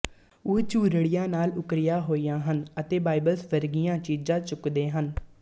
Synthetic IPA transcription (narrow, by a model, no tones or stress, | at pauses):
ʊt͡ʃuːɾəɽɪjãːnaːlʊkɾɪjaːɦoːijãːɦənət̪eːbaːɪbəlsʋəɾɡɪjãːt͡ʃiːd͡ʒãːt͡ʃʊkd̪eːɦən